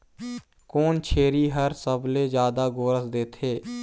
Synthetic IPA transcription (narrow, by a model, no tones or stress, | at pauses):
koːnt͡ʃʰeːɾiːɦəɾsəbleːd͡ʒjaːd̪aːɡoːɾəsd̪eːt̪ʰeː